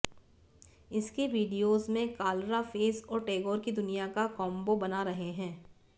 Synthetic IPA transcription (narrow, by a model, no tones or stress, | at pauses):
ɪskeʋiːɖijoːzmẽkaːlɾafeːsɔːɾʈeːɡɔːɾkid̪ʊnijakakɔ̃ːmbobɐnaɾɐɦeɦɛ̃ː